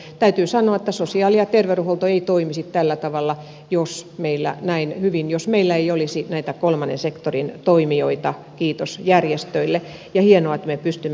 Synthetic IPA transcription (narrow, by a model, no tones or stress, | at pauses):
t̪æyt̪yːsɑnoɑĕt̪ːæsosiɑːˑliɑt̪erʋeruholt̪oeit̪oimisit̪t̪ælːæt̪ɑʋɑlːɑ | josmeilːæ̰næinhyʋinjosmeilːæeiolisinæit̪ækolmɑnḛnsekt̪orint̪oimioit̪ɑ | kiːt̪osjærjest̪øilːe | jɑhienoɑet̪mepyst̪ymː